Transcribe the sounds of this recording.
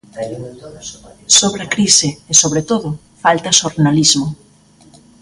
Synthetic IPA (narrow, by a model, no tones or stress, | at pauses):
soβɾakɾisɪesoβɾet̪oðʊ | falt̪ɐʃoɾnalizmʊ